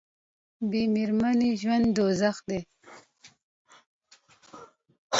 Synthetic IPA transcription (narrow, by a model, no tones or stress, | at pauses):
bemeɾmaniʒwand̪d̪ozaxd̪e